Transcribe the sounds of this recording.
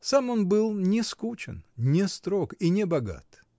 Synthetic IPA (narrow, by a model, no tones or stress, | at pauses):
samo̞nbɨlˠnʲɪskut͡ɕɪ̰nnʲɪst̪ɾokinʲɪbɐɡa̰t̪